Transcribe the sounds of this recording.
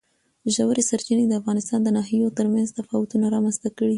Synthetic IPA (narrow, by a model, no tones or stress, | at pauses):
ʒawɾesaɾt͡ʃined̪əafɣɑnɪst̪ɑnd̪ənɑɦijot̪əɾmanzt̪afɑwʊt̪unaɾɑmanst̪akəɽi